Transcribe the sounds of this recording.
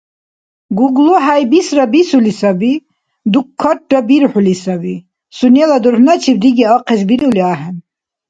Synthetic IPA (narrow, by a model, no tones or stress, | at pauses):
ɡuɡluɦajbisɾabisulisɐbi | d̪ukʰːaʈ̚ːabiɾħulisɐbi | sunelad̪uɾhnat͡ʃʰib̚d̪iɡeɑqesbiɾuliaɦen